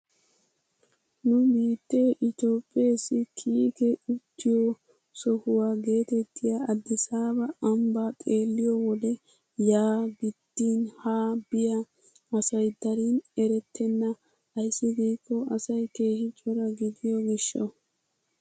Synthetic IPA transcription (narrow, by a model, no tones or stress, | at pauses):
nʊbiːt̪ːe̞ːʔɪt̪o̞ːpʼːeːsɪkʰiːkɛʊt̪ːɪjɔ | sɔhʊwaːɡe̞ːt̪ɛt̪ʰːɪjaːd̪ːɪsaːbɐɐmbaːt̪ʼe̞ːlːɪjɔwɔd̪ɛ | jaːɡɪd̪̥ːiːnhaːbɪjɐ | ɐsɐjd̪ɐɾinɛɾɛt̪ʰːɛnːɐ | ɐjsːɪɡiːkːɔʔɐsɐjke̞ːhɪt͡ʃʼːɔɾɐɡɪd̪ɪjɔɡɪʃːɔ̰